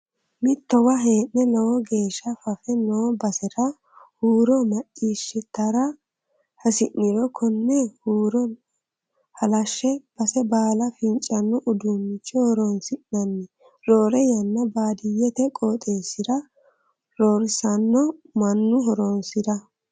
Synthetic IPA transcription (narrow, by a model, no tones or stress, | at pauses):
mɪt̪ːɔwɐɦe̞ːʔːɛlɔwɔɡe̞ːʃːɐfɐfɛnoːbɐsɛɾɐ | huːɾɔmɐt͡ʃʼːiːʃːɪt̪ːɐɾɐ | hɐsɪʔːɪɾɔkʰɔnːɛhuːɾɔn | hɐlɐʃːɛb̥ɐsɛbaːlɐfɪnt͡ʃʼːɐnːɔʔʊd̪umːɪt͡ʃʼːɔhɔɾonsɪʔnɐnːɪ | ɾoːɾɛjɐnːɐbaːd̪ɪjɛt̪ɛkʼot̪ʼe̞ːsːɪd̪ɐ | ɾoːɾɪsɐnːɔmɐnːʊɦɔɾoːnsɪd̪ɐ